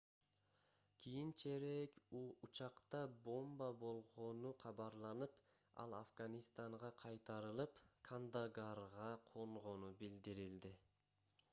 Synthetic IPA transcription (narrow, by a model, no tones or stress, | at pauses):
kʲʰijint͡ʃe̞ɾekut͡ʃɑqt̪ɑbo̞mbɑbo̞lˠʁo̞nuqʰɑβɑɾlˠɑnɯp | ɑ̰lˠa̰fɡanʲist̪aɴʁɑqʰɑjt̪ɑɾɯlˠɯpkʰand̪aɡaɾʁɑqʰo̞ɴʁo̞nubild̪iɾild̪ɪ